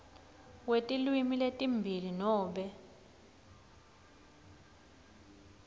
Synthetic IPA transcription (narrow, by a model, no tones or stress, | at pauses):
wetʼilwimiletʼimbʱilinɔːɓɛ